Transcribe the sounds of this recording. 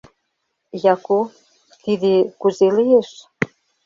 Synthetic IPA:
jɑko | t̪id̪ekuzelijeʃ

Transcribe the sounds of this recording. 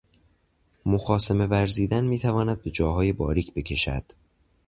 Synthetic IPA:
moxɒːseme̞væɾziːd̪ænmiːt̪ʰævɒːnæd̪̚be̞d͡ʒɒːɦɒːjebɒːɾiːcʰbe̞cʰe̞ʃæ̰d̪̥

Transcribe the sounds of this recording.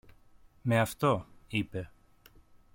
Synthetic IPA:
meɐft̪o̞ipe̞

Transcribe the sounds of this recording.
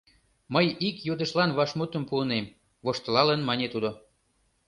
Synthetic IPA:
məjikjod̪ə̆ʃlɑnβɑʃmut̪əmpuənem | βoʃt̪əlɑlənmɑnʲet̪ud̪o

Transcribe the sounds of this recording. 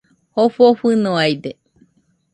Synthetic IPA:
hoɸoɸɨnoajd̪e

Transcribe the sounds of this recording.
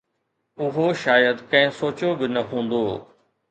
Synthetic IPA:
ʊɦoʃaːjəd̪kɐ̃ɦɪ̃soːt͡ɕobɪnɐɦũːn̆d̪oː

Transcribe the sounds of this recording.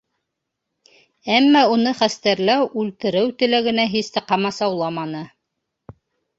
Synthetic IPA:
æmːæunɤχæst̪æɾlæwʉlt̪ɘ̆ɾɘwt̪ɵ̆læɡɘ̆næɦist̪ɘqɑmɑsɑwlˠɑmɑnɤ

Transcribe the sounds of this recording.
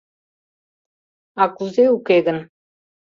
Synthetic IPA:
akuzeukeɡə̆n

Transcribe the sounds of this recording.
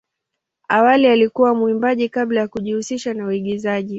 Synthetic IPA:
awalialikuwamuimbaʄikablajakuʄihusiʃanauiɠizaʄi

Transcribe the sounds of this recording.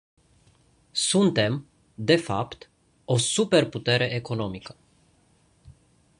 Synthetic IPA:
sunt̪e̞m | d̪e̞fapt̪ | o̞supe̞rput̪e̞ɾe̞ʔeko̞no̞mikə̥

